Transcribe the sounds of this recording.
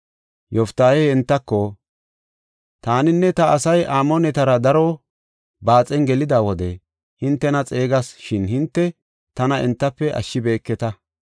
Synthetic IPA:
jɔft̪ːaːjɛɪnt̪ːɐkːɔ | t̪aːnɪnːɛt̪ɐɐsɐjʔaːmɔnɛt̪ɐɾɐd̪ɐɾɔ | baːt͡sʼɛnɡɛlɪd̪aːwɔd̪ɛ | hɪnt̪ːɛnɐt͡sʼe̞ːɡɐsʃɪnhɪnt̪ːɛ | t̪ɐnɐɛ̰nt̪ːɐpːɛʔɐ̰ʃːɪbe̞ːkːɛt̪ɐ

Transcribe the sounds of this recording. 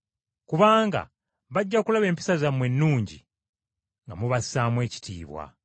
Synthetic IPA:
kuβaːŋɡa̰ | βaɟːakulaβe̞ːmpi̥sazamwe̞nːuːɲɟḭ | ŋɡamuβasaːmwe̞ːci̥tḭːβwa̰

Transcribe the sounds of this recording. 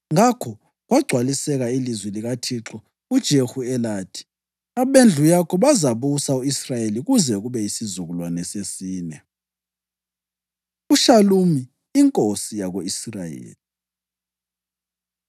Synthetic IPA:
ŋakʰɔ | ɣwaɡ͡ǀʱwalisɛɣailizwiliɣatʰiǁɔ | ud̥ʒ̥ʱexuɛlaːtʰi̥ | aβend͡ɮʱujakʰɔβazaβusauisrajeliɣuzɛɣuβɛisizuɣulwanɛsesiːnɛ | uʃalumiː | ŋkʼosijaɣoisrajḛːli

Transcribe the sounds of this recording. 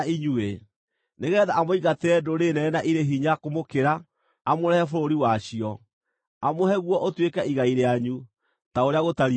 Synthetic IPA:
iɲue | neɣɛðaːmoiɣateɛdoɾenɛnaʔiɾeɦiɲakomokeɾaː | moɾɛhɛfoɾoɾiwaɕiɔ | amohɛɣwɔʔotwekɛiɣaiɾeaɲu | taoɾeaɣotaɾi

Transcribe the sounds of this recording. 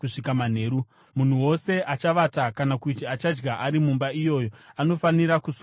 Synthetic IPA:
uʂikaman̤e̞ːɾu | mun̤uwo̞se̞ʔat͡ʃaʋatakanakutiat͡ʃad͡ʒɡaʔaɾimumbaijo̞jo̞ano̞faniɾakus

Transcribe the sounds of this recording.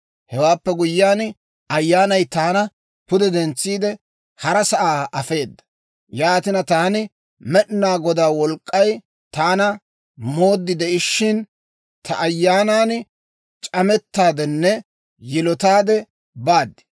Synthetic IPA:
hɛwaːpːɛɡʊjːaːn | ɐjːaːnɐjt̪aːnɐ | pʊd̪ɛd̪ɛnt͡sːiːd̪ɛ | hɐɾɐsɐʔaːɐfe̞ːd̪ːɐ̥ | jaːt̪ɪnɐt̪aːnɪ | mɛɗnaːɡɔd̪aːwɔlkʼːɐj | t̪aːnɐ | mo̞ːd̪ːɪd̪ɛʔɪʃːɪn | t̪ʰɐ̰ʔɐjːaːnaːn | t͡ʃʼɐmɛt̪ːaːd̪ɛnːɛ | jɪlɔt̪aːd̪ɛ | baːd̪ːɪ̥

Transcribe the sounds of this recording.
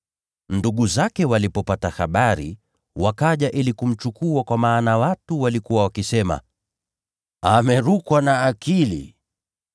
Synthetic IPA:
nduɠuzakɛwalipɔpatahaɓaɾḭ | wakaʄaʔilikum̩t͡ʃukuakwamaːnawatuwalikuwawakisɛma̰ | amɛɾukwanaːkilḭ

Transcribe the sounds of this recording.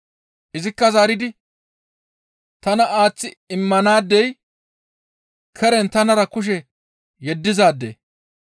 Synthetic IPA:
ʔɪzɪkːɐzaːɾɪd̪ɪ | t̪ɐnɐaːt͡sːɪɪmːɐnaːd̪ːɛj | kʰɛɾɛnt̪ɐnɐɾɐkʊʃ̬ɛ | jɛd̪ːɪzaːd̪ːḛː

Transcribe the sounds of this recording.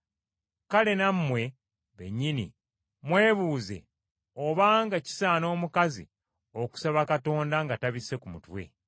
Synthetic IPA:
kale̞nammwe̞ | βe̞̰ɲːinḭ | mwe̞ːβuːze̞̰ | oβaːŋɡaci̥saːno̞ːmukazḭ | o̞ku̥saβakato̞ːndaŋɡataβise̞kumutwe̞̰

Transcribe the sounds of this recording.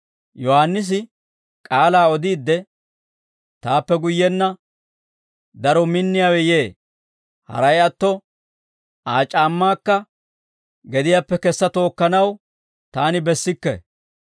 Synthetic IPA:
jɔhanːɪs̬ɪ | kʼaːlaːɔd̪iːd̪ːɛ | t̪aːpːɛɡʊjːɛnːɐ | d̪ɐɾɔmɪnːɪjaːwɛje̞ː | hɐ̰ɾɐjɐt̪ːɔ | aːt͡ʃʼaːmːaːkːɐ | ɡɛd̪ɪjaːpːɛkɛsːɐt̪o̞ːkːɐnɐw | t̪aːnɪbɛsːɪkːɛ̰

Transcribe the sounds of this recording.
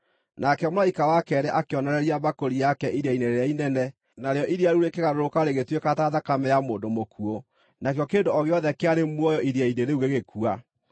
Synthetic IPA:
nakɛmoaikawakɛɾɛʔakeɔnɔɾɛɾiabakoɾijakɛiɾeaineɾeeainɛnɛ | naɾeɔʔiɾiaɾuɾekeɣaɾoɾokaɾeɣetwekataðakamɛjamoːndomokʰuo | nakeɔkendoɔɣeɔðɛkeaɾemwɔjɔʔiɾiaideɾeuɣeɣekʰua

